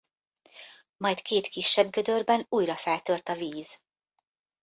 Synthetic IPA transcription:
mɒjt̪keːt̪kiʃːɛbɡød̪ø̞rbɛnuːjɾɒfɛlt̪ø̞rt̪ɒviːz̥

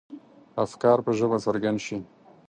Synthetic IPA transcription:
afkɑɾpəʒəbasaɾɡand̪ʃi

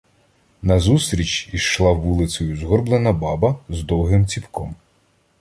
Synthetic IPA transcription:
nɐzust̪ɾʲit͡ʃiʃlˠɑʋulˠɪt͡s̪ʲɔjʊzɦɔrblˠenɐbɑbɐzd̪ɔwɦɪmt͡sʲipkɔm

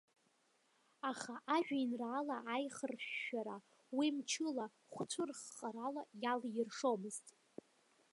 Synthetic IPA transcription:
aχaʔaʒᶣainraːlaʔːjχərɕːaɾa | wimt͡ʃʰɨla | χʷt͡ʃʷʰʊrχːʼaɾalajaljɪrʂomɨztʼ

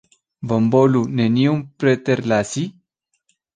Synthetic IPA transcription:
vəmboluneniumpɾet̪eɾlasi

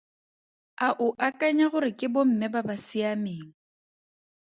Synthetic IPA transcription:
aʔʊʔakʼaɲaɣʊɾɪkʼɪbɔm̩mɪbabasɪameːŋ̩

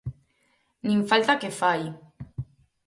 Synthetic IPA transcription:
niɱfalt̪akefaj

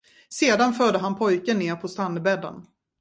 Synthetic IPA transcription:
seːd̪anfœːɖ̪əɦanpʰɔjkənːeːɾpʰɔst̪anːəbɛd̪ːə̰n

